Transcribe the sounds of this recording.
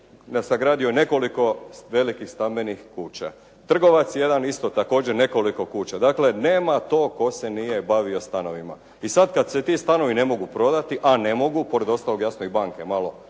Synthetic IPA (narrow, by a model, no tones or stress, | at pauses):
nasaɡɾaːd̪ijone̞ko̞liko̞ʋe̞likixst̪ambe̞nixkuːt͡ɕa̰ | t̪r̩ɡo̞ʋat̪sjje̞d̪anist̪o̞t̪ako̞ːd͡ʑeɾne̞ko̞liko̞kuːt͡ɕad̪akle̞ne̞ːmat̪o̞ːko̞se̞nije̞baʋio̞st̪ano̞ʋima̰ | isad̪kad̪se̞t̪ist̪ano̞ʋine̞mo̞ɡupɾo̞d̪at̪iʔane̞mo̞ɡupo̞ɾed̪o̞st̪alo̞ɡjasnoibaŋke̞malo̞